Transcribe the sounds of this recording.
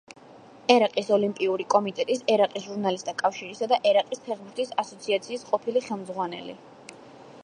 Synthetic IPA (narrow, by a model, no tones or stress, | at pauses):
ɛɾaqʼisɔlimpʼiuɾikʼɔmit̪ʼɛt̪ʼisɛɾaqʼisʒuɾnalist̪ʰʼakʼafʃiɾisad̪aʔɛɾaqʼispʰɛχbuɾt̪ʰisasɔt̪sʰiat̪sʰiːsqʼɔpʰiliχɛlˠmd̪zʁwanɛ̰lḭ